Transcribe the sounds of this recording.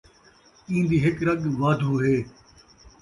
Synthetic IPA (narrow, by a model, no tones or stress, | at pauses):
ĩːnd̪iːɦɪkɾɐɠʋaːd̪ʱuːɦeː